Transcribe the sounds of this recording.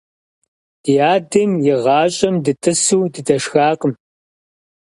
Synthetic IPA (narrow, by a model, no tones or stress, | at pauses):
d̥ijaːdɐmjɪʁɑːɕʼɐmdɨtʰɨsuːdɨdɐʂxaːqʼəm